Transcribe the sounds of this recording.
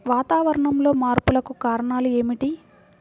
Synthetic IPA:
ʋaːt̪aːʋɐɾɐɳɐmlo̞ːmaːɾpulɐkukaːɾɐɳaːlue̞ːmiʈi

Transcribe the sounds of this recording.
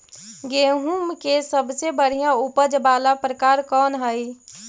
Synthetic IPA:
ɡeːɦumkesəbsebəɽ̤ijãupəd͡ʒbaːlapɾəkaːɾkɔːnɦəj

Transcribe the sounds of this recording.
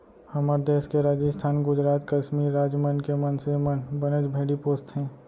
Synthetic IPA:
hɐməɾd̪eːʃkeɾaːd͡ʒəst̪ʰaːnɡʊd͡ʒɾaːt̪kəʃmiːɾːaːd͡ʒmənkemənsembənəd͡ʒbʱeːɽipoːst̪ɦɛ̃ː

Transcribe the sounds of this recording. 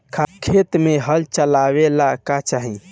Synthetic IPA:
kʰakʰet̪meɦəlt͡ʃəlawelakat͡ʃaɦĩ

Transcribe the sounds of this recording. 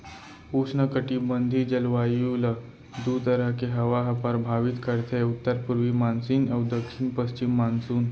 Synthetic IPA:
pusnəkəʈiːbənd̪ʱiːd͡ʑəlʋajiilə | d̪ut̪əɾakeɦəʋaɦəpaɾbʱaʋiːt̪kəɾt̪ʰeut̪ːəɾpuɾʋiːmansiːnəwd̪əkʂinpəst͡ɕimːansuːn

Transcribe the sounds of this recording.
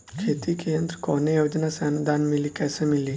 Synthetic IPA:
kʰet̪ikʰijənd̪ɾəkonejod͡ʒənasanud̪ʱanmiliːkɛsemiliː

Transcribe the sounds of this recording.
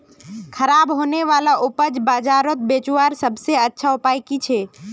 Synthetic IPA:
kʰəɾaːbɦoːneʋaːlaʔʊpəd͡ʒbaːd͡ʒaːɾot̪̚beːt͡ʃuwaːɾsəbseətːʃʰaʊpaːjkit͡ʃʰeː

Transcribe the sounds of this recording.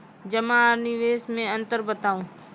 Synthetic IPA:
d͡ʒəmãɾniʋeːsmẽə̃nt̪əɾbət̪aːũː

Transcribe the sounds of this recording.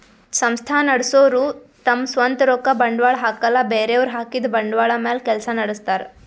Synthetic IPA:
sɐmst̪ʰaːnɐɽsoːɾuːt̪ɐmːsʋɐnt̪ɾoːkɐbɐɳɖʋaːɭɦaːkɐlːɐbeːɾejʋɐɾɦaːkid̪bɐɳɖʋaːɭɐmeːlkɛlsɐnɐɽust̪aːɾ

